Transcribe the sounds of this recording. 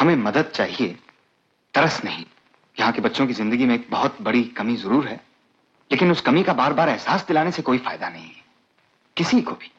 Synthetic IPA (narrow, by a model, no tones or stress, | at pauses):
hɐmẽmɐd̪əd̪̚t͡ʃaːɦie | t̪ɐɾəsnɐɦĩ | jɐɦãkebɐtːʃõkizɪ̃nd̪əɡimẽeːk̚bɐɦʊt̪bɐɽikɐmizɐɾuːɾɦɛː | leːkɪnʊskɐmikabaːɾbaːɾɛɦsaːsd̪ɪlaːnesekoːifa̰ːɪd̪anɐɦĩɦɛ | kɪsikobʱi̥